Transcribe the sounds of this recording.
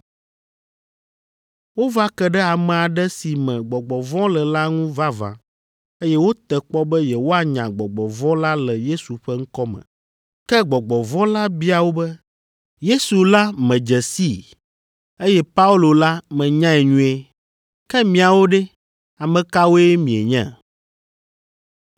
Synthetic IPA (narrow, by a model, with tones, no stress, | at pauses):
wo˦va˦kɛ˦ɖɛ˦a˨mɛ̃˨a˨ɖɛ˦si˨mɛ̃˨ɡ͡bɔ˨ɡ͡bɔ˨vɔ̃˦lɛ˨la˦ŋũ˦va˦vã̰˨ | e˦jɛ˦wo˦t̪ɛ˨k͡pɔ˦bɛ˦jɛ˨wo˦a˨ɲã˨ɡ͡bɔ˨ɡ͡bɔ˨vɔ̃˦la˦lɛ˨je˦su˨ɸɛ˦ŋ̩˦kɔ˦mɛ̰̃˨ | kɛ˦ɡ͡bɔ˨ɡ͡bɔ˨vɔ̃˦la˦bi˦a˨wo˦bɛ˦ | je˦su˨la˦mɛ̃˨d͡ʒɛ˨si˦˨ | e˦jɛ˦pa˦u˦lo˨la˦mɛ̃˨ɲã˦ɛ˨ɲũ˦e˦ | kɛ˦mĩ˨a˨wo˦ɖɛ˦ | a˨mɛ̃˨ka˦wo˦e˦mĩ˨e˨ɲɛ̰̃˦